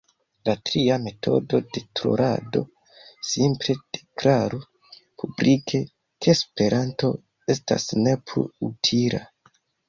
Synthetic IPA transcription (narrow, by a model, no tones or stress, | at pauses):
latɾiame̞tʰo̞̰do̞de̞tɾo̰ɾʔa̰do̞̰ | simple̞d̥e̞kɾaɾu | pʰublikʰe̞ | kʰespe̞ɾʔanto̞ | esta̰sne̞pʰlṵutʰila̰